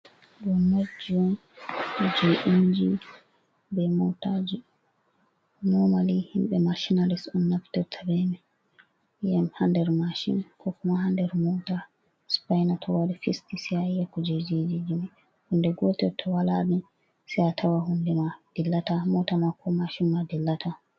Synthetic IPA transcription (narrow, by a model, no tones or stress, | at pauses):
ɗuːod͡ʒiɔn | d͡ʒoʔiɲd͡ʒi | bɛmotad͡ʒi | nɔmalihimɓɛmaʃinalisɗunːafi̥tɛtʰabɛmi | jɛmhandɛɾmaʃḭnkʰɔkumaɦandɛɾmɔta | spajnatʰɔwadifistisiajɛkːɔd͡ʒed͡ʒid͡ʒid͡ʒimi | hundɛɡɔtɛtʰɔwalaɗum | sijatʰawaɦundɛmad̥ilːatamɔtamakʰːɔmaʃinmadɛlːatʰa